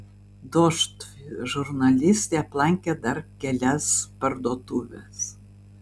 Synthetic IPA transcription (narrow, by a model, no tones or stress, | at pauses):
d̪ɔʃt̪ | ʒʊɾnɐlʲɪsʲt̪ʲeːɐplˠɐŋʲkʲɛd̪ɐɾkʲɛlʲɛspɐɾd̪oːt̪uːʋʲɛ̰s